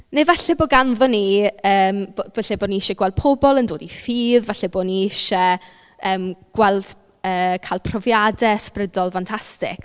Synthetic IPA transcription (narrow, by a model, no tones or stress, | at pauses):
nevɛɬɛboːɡanðɔniəːmbovɛɬɛboːniɪʃɛɡwɛlˠd̥̚pʰɔbɔlˠəndoːdifiːðvɛɬɛboːniɪʃɛ | əːmɡ̥wɛlˠd̥ | əːkʰaːlˠpʰrɔvjadɛsprədɔlˠfantʰastɪ̰k